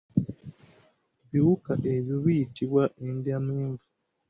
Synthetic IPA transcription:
βiwukaʔeβjoβijitiβwaʔendjameːɱvu

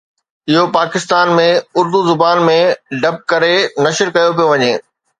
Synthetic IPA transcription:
ɪɦopaːkɪst̪aːnmẽʊɾd̪uzʊbaːnmẽɖɐp̚kɐɾenɐʃəɾkɐjop̬ijoʋɐɲeː

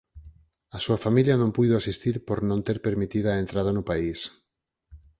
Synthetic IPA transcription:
asuafamiljanõmpujðoasist̪iɾpoɾnõnt̪eɾpeɾmit̪ið̞aːent̪ɾað̞ɐnʊpais

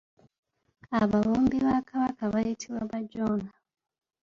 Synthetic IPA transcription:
aβaβuːmbiβakʰaβakaβajitʰiβwaβaɟoːna

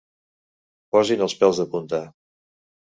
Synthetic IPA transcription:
pɔzinəlˠspɛlˠzðəpunt̪a

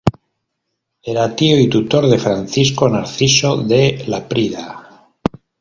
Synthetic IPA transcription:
eɾat̪ioit̪ut̪o̞ɾðe̞fɾan̟θisko̞naɾθiso̞ðelapɾiða

